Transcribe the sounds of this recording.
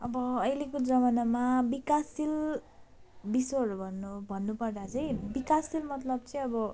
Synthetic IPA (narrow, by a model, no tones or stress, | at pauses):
ʌbʌːjlekod͡zʌmʌnamabikasil | bisoʌɾubʱʌnbʱʌnːupʌrd̪at͡sʌj̃bikasilmʌt̪lʌb̚t͡sʌĩʌbʌ